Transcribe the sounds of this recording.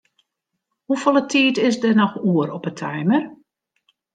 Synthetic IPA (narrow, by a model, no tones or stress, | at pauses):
hufolˠətʰiːtɪsdənɔxuəɾɔpətʰɛjmər